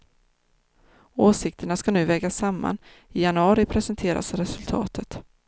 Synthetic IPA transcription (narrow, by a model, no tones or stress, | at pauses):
oːsɪk̚t̪əɳaskanʉ̟ːvɛːɡasːamːa̰n | ɪjanɵɑːɾɪpʰɾɛsɛnt̪ʰeːɾa̰sɾɛsɵlt̪ʰɑ̰ːt̪ʰət̪